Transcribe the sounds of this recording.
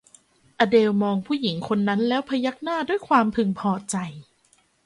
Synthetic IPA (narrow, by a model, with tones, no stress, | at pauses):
ʔaː˧deː˧wmɔː˧ŋpʰuː˥˩ji˩˦ŋkʰo˧nːa˦˥nlɛː˦˥wpʰa˧ja˦˥k̚naː˥˩duː˥˩əjkʰwaː˧mpʰɯ˧ŋpʰɔː˧t͡ɕa˧j